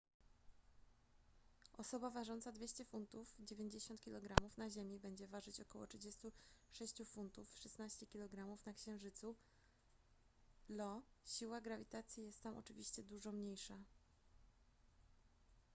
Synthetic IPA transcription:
ɔsɔbavaʐɔnt̪sad̪vʲeɕt͡ɕɛfunt̪ufd͡ʑevʲeɲd͡ʑeɕɔnt̪̚kʲilɔɡɾamufnaʑemʲibɛɲd͡ʑɛvaʐɘt͡ɕɔkɔwɔ̰tʂɘd͡ʑest̪uʂɛɕt͡ɕufunt̪ufʂɛsnaɕt͡ɕɛkʲilɔɡɾamufnakɕɛ̃ʐɘt̪su | lɔɕiwaɡɾavʲit̪at̪sʲjijɛst̪ːamʔɔ̰t͡ʂɘvʲiɕt͡ɕɛd̪uʐɔmɲejʂa

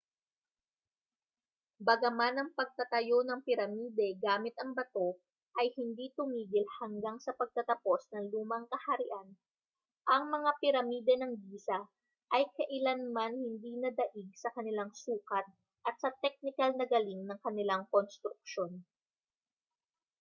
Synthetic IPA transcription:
bɐɡɐmanɐŋpɐɡ̚t̪ɐt̪ɐjo̞nɐŋpɪɾɐmiːd̪ɛɡaːmɪt̪ɐŋbɐt̪o̞ | ʔɐjhɪnd̪it̪ʊmiːɡɪlhɐŋɡaŋsɐpɐɡ̚t̪ɐt̪ɐpo̞snɐŋluːmɐŋkɐhɐɾɪʔan | ʔɐŋmɐŋapɪɾɐmiːd̪ɛnɐŋbiːsɐ | ʔɐjkɐʔɪlanmanhɪnd̪iːnɐd̪ɐʔiɡ̚sɐkɐnɪlaŋsuːkɐt̪̚ | ʔɐt̪̚sɐt̪ɛk̚nɪkɐlnɐɡɐliŋnɐŋkɐnɪlaŋkonst̪ɾʊk̚ʃo̞n

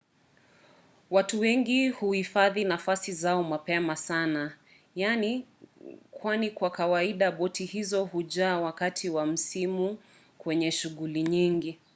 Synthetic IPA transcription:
watuwɛŋɡihuhifaðinafasizaɔmapɛmasana | jani | kwanikwakawaiɗaɓɔtʰihizɔhuʄaːwakatʰiwam̩simu | kwɛɲɛʃuɠuliɲiŋɡi

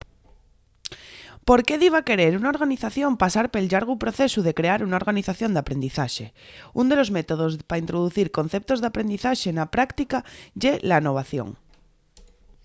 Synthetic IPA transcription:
po̞ɾke̞ðiβ̞ake̞ɾeɾunaoɾɣaniθaθjõ̞mpasaɾpe̞lʎaɾɣupɾo̞θesuðe̞kɾeaɾunao̞ɾɣaniθaθjo̞nd̪apɾe̞nd̪iθaʃeund̪elo̞zmet̪o̞ð̞ozpaint̪ɾoð̞uθiɾko̞n̟θe̞p̚t̪o̞zðeapɾe̞nd̪iθaʃe̞napɾakt̪ikaʝelano̞β̞aθjo̰ŋ

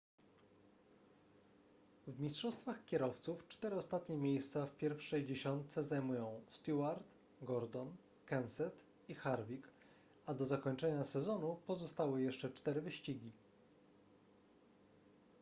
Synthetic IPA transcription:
vmʲistʂɔst̪faxkʲɛɾɔft̪suft͡ʂt̪ɛɾɘɔst̪at̪ɲɛmʲjejst̪safpʲjɛɾfʂɛjd͡ʑeɕɔnt̪sɛzajmujɔ̃w̃st̪uaɾt̪ | ɡɔɾd̪ɔn | kɛnsɛt̪ | ixaɾvʲik | ad̪ɔzakɔɲt͡ʂɛɲasɛzɔnupɔzɔst̪awɘjɛʂt͡ʂɛt͡ʂt̪ɛɾɘvɘɕt͡ɕiɡʲi

